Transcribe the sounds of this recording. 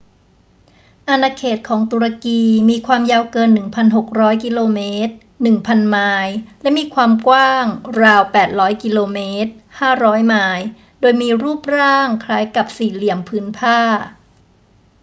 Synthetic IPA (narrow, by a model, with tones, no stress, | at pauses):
ʔa˧naː˧kʰeː˨˩t̪̚kʰɔː˩˦ŋt̪u˧ɾa˧kiː˧miː˧kʰwaː˧mjaː˧wkɤː˧nːɯ˨˩ŋpʰa˧nɦo˨˩k̚ɾɔː˦˥jki˧loː˧meː˦˥t̪̚ | nɯ˨˩ŋpʰa˧nmaː˧jlɛ˦˥miː˧kʰwaː˧mkwaː˥˩ŋɾaː˧wpɛː˨˩t̪̚ɾɔː˦˥jki˧loː˧meː˦˥t̪̚haː˥˩ɾɔː˦˥jmaː˧j | doː˧jmiː˧ɾuː˥˩p̚ɾaː˥˩ŋkʰɾaː˦˥jka˨˩p̚siː˨˩li˨˩əmpʰɯː˦˥npʰaː˥˩